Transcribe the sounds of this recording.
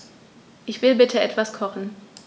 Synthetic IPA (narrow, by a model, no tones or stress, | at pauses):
ʔɪçv̥ɪlbɪtʰəʔɛtv̥askʰɔχn̩